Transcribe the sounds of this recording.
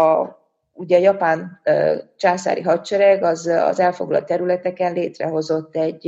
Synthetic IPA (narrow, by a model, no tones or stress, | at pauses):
uɟɛːjɒpaːnː | t͡ʃaːsa̰ːɾiɦɒtt͡ʃɛɾɛɡɒzɒ̰zɛlfo̞ɡlɒ̰lt̪ːɛɾylɛt̪ɛkɛnleːt̪rɛɦo̞zo̞t̪ːɛɟː